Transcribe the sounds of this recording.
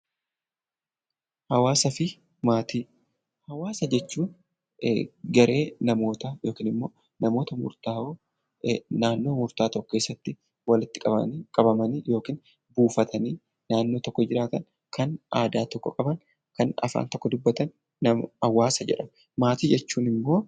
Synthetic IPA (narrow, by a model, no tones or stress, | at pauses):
hɐwaːsɐfɪ | maːt̪iː | hɐwaːsɐd͡ʒɛt͡ʃːuːn | ɡɐɾe̞ːnɐmo̞ːt̪ɐjo̞ːkiːnɪmːo̞ː | nɐmo̞ːt̪ɐmʊ̰ɾt̪aːoː | naːnːo̞ːmʊɾt̪aːt̪ɔkːɔ̥ke̞ːsːɐt̪ːɪ | wɐlɪt̪ːɪ̥kʼɐbɐ̰kʼɐbɐmɐnjo̞ːkiːn | buːfɐt̪ʰɐniː | naːnːo̞ːt̪ɔkːɔd͡ʒɪɾaːt̪ɐn | kɐnʔaːd̪aːt̪ɔkːɔ̰kʼɐbɐn | kɐnɐ̰fa̰ːnt̪ɔkːɔd̪ʊbːɐt̪ɐnː | ɐmɐwaːsɐd͡ʒɛ̰ᶑɐm | maːt̪iːd͡ʒɛt͡ʃːuːnɪmːo̞ː